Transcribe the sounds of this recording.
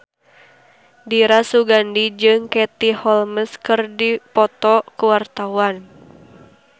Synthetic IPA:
diɾasuɡandid͡ʒɨŋkɛt̪ihɔlməskɨrdipɔt̪ɔkuwart̪awan

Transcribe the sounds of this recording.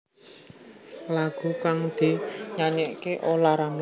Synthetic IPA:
laɡ̥ṳkaŋd̪̥i̤ɲaɲɛʔkeʔolaɾaŋl

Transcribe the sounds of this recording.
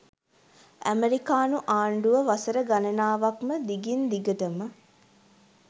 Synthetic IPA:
æ̰meɾikaːnuʔaːɳɖuʋəʋasəɾəɡanɐnaːʋakməd̪iɡind̪iɡəʈəmə

